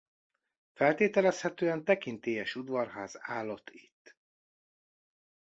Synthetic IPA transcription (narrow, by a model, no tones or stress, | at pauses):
fɛlt̪eːt̪ɛlɛshɛt̪øːɛnt̪ɛkint̪eːjɛʃud̪vɒrɦaːzaːlːo̞t̪ʰːit̪ː